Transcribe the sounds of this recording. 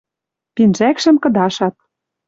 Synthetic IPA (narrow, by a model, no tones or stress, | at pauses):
p̪inʒækʃɘ̆mkɤ̆d̪ɑʃɑt̪̚